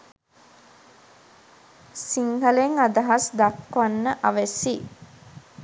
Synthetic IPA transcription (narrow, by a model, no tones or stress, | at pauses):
siŋhəleŋad̪aɦasd̪akʋanːəʔaʋesi